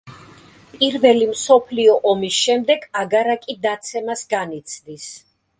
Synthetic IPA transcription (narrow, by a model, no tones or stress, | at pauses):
pʼiɾvɛlimsɔpʰliɔʔɔmisʃɛmd̪ɛɡaɡaɾakʼid̪at̪sʰɛmasɡanit̪sʰd̪is